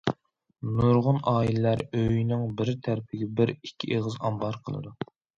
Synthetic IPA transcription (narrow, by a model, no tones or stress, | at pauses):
nuɾʁʊnɑːilɪlæɾøjnɪŋbɪɾt̪ʰæɾpʰɪɡʲɛbɪɾikʲʰːiʔeʁəzɑmbɑɾqʰəlˠɨ̰d̪u